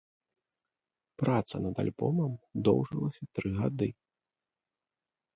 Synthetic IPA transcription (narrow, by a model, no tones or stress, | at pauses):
pɾat̪sɐnɐd̪a̰lʲbɔmɐmd̪ɔwʐɨlˠɐsʲɐt̪ɾɨɣad̪ɨ